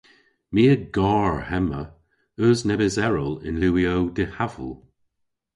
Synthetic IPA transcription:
miːəɡɑːɹhɛmə̰ | əznɛbɪzɛɹəlɪ̰nluːiowdɪhavə̰lˠ

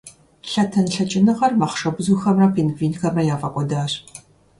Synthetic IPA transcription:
ɬɐtʰɐnɬɐt͡ʃʼɪnɨʁɐrmɐχʂɐbʊzuːxɐmrɐpʰeːnɡviːnxɐmɐjaːfɐqʷʼɔdaːr

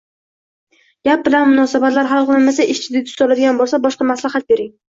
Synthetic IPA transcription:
ɡ̥ʲap̚bɪlanmʊnɒsabat̪laɾɦalˠqonɪmasaʔɪʃt͡ʃʰɪd̪ɪt̪ʰʊ̥sɒlad̪ɪɡʲanbolˠsabɒʃqɑmaslahat̪̚be̞ɾɪŋ

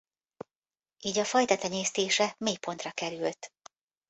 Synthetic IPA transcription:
ʔiːɟɒfɒjt̪ɒt̪ɛɲeːst̪eːʃɛmeːjpo̞nt̪rɒkɛɾylt̪

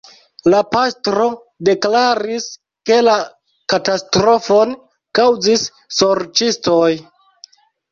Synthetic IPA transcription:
lapastɾo̞ | de̞klaɾis | ke̞la | katastɾo̞fo̞n | kawzisː | o̞ɾt͡ʃistoj

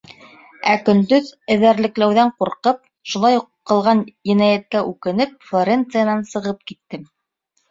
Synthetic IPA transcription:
ækɵ̆nd̪ɵðɘ̆ðæɾlɘ̆klæwðæɴquɾqɤp̚ | ʃulˠɑjqɤ̆lˠʁɑnjɘ̆næjæt̪̚kæʔʉkɘ̆nɘp̚flˠoɾʲent̪sɨjanɑnsɤ̆ʁɤp̚kit̪ːɘm

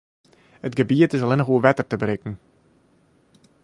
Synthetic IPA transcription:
ətɡəbiətɪsɑlɪnəxuəʋɛtərtəbəɾɪkn̩

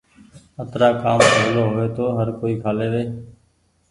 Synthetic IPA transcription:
ət̪ɾaːkaːmpəːloːɦʊʋeːt̪oːɦəɾkoːiːkʰaːleːʋeː

